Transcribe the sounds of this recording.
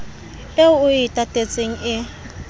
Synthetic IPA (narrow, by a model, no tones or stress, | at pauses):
eʊʊɪtʼatʼet͡sʼeŋ̩ʔɪ